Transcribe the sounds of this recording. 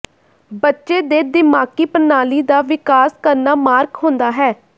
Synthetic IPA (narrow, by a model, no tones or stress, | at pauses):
bətːʃeːd̪eːd̪ɪmaːkiːpənaːliːd̪aːʋɪkaːskəɾnaːmaːɾkɦõːnd̪aːɦɛː